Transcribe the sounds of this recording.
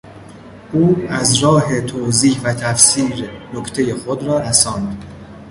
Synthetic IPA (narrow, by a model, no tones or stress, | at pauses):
ʔuːæzɾɒːɦet̪ʰoːziːhvæt̪ʰæfsiːɾenokʰt̪ʰe̞jexod̪ɾɒːɾæsɒːnid̪